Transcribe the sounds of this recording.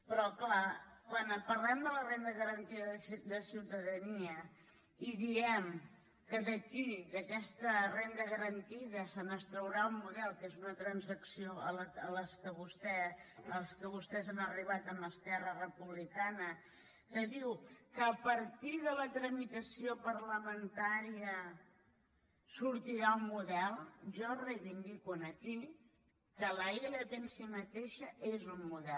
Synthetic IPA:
pɾɔklakwanpəɾlɛmd̪ələrend̪əɣəɾənt̪iðəðd̪əsiwt̪əðəniə | iðiɛm | kəðəkid̪əkɛst̪ərend̪əɣəɾənt̪iðəsənəst̪ɾəwɾaumːuðɛlˠkezunət̪ɾənzəksioələələskəβust̪ɛəlˠskəβ̞ust̪ɛzanəriβat̪əməskɛrərəpuβlikanə | kəðiwkəːpəɾt̪iðələt̪ɾəmit̪əsiopəɾləmənt̪aɾiə | suɾt̪iɾaummuðɛlˠʒɔreβind̪ikwuənəki | kələelət̪ensimət̪eʃəʔezummuðɛl

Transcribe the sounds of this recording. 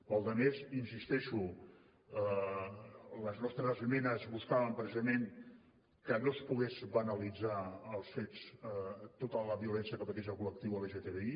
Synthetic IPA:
pəlˠd̪əmezinsist̪ɛʃu | ləznɔst̪ɾəzmɛnəzβuskaβəmpɾəsizəmeŋ | kənospuɣezβənəlid͡zaəlˠsfet͡s | t̪ot̪ələβiulɛnsiəkəpət̪ezəlˠkulək̚t̪iwəleʒet̪eβei

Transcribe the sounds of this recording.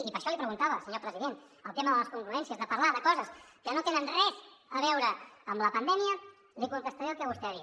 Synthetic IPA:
ipəɾʃɔlipɾəɣunt̪aβəsəɲopɾəziðen | əlˠt̪eməðələskuŋɡɾuɛnsiəzðəpɐɾlaðəkɔzəskənot̪enənrɛzəβɛwɾəːmləpənd̪ɛmiə | likunt̪əst̪əɾelˠkəβ̞ust̪eɾi

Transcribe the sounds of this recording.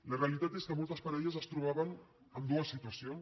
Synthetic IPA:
ləreəlit̪at̪eskəmolˠt̪əspaɾɛʎəzəst̪ɾuβ̞aβən | əmd̪uəsit̪uasijon

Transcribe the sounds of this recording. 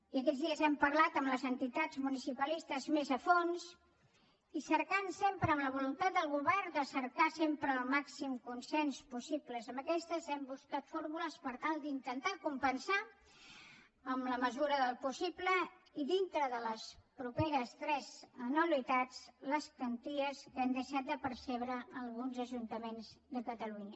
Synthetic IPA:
iəkɛd͡zðiəzɛmpəɾlat̪əmləzənt̪it̪ad͡zmunisipəlist̪əzmezəfons | isəɾkansempɾəːmləβulunt̪at̪̚d̪əlˠɣuβɛrd̪əsəɾkasempɾəːlˠmaksimkunsɛnspusipləzəmbəkɛst̪əzɛmbuskat̪foɾmuləspəɾt̪alˠd̪int̪ənt̪akumpənsa | əmləməzuɾəðəlˠpusiblə | iðint̪ɾəðələspɾupeɾəst̪ɾɛzənulit̪at͡sləskənt̪iəskand̪əʃat̪̚d̪əpəɾsɛβɾəəlˠɣunzəʒunt̪əmenzd̪əkət̪əluɲə

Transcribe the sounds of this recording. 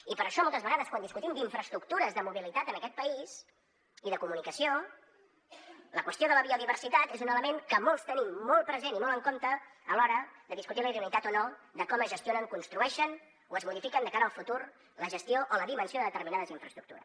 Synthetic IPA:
ipəɾəʃɔmɔlˠt̪əzβəɣaðəskwand̪iskut̪imd̪iɱfɾəst̪ɾukt̪uɾəzðəmuβilit̪at̪ənəkɛt̪̚pəiz | iðəkumunikəsio | ləkwəst̪joðələβioðiβ̞ərsit̪at̪ezunələmeŋkəmɔlˠst̪ənimːɔlˠpɾəzenimolˠəŋkont̪əːlɔɾəd̪əðiskut̪iləiðənit̪at̪onod̪əkɔməzʒəst̪ionəŋkunst̪ɾuɛʃən | oəzmuðifikənd̪əkaɾəːəlˠfut̪ur | ləʒəst̪ioʔoləðimənsioðəðət̪əɾminaðəziɱfɾəst̪ɾuk̚t̪ṵɾə̰s

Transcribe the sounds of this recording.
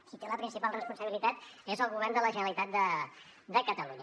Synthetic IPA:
sit̪eləpɾinsipalˠrəspunsəβilit̪at̪ezəlˠɣuβɛrnd̪ələʒənəlit̪at̪̚d̪ə | d̪əkət̪əluɲə

